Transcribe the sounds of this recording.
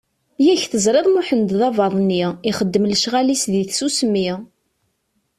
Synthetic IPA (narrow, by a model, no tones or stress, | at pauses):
jæçθəzɾˤeðˤmʊħənd̪ðɑvɑðˤnːiʁiχəd̪ːəmləʃʁalisðiθsusəmːi